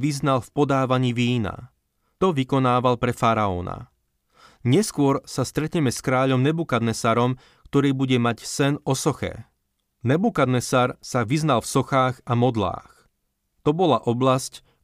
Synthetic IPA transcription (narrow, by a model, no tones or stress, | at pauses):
ʋiznalfpɔd̪aːʋaɲiːʋiːna̰ | t̪ɔʋikɔnaːʋalpɾɛfaɾaɔːna̰ | ɲɛskʊɔɾsast̪ɾɛt̪ɲɛmɛskɾaːʎɔmnɛbukad̪nɛsaɾɔm | kt̪ɔɾiːbuɟɛmacsɛnɔsɔxɛ̰ | nɛbukad̪nɛsaɾsaʋiznalfsɔxaːɣamɔd̪la̰ːx | t̪ɔbɔlaʔɔblasc